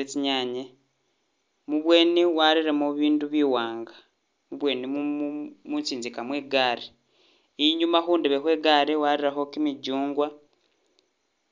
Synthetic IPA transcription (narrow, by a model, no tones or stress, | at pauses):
et͡ʃiɲaɲe | muβwe̞ːniwaɾiɾemuβiːnduβiːwaːŋɡḁ | muβwe̞ːnimumunt͡siːnzikamweːɡaːɾe | iɲumaxuːndeβexwe̞ːɡaːɾewaɾiɾaxo̞kimiɟuːŋɡwa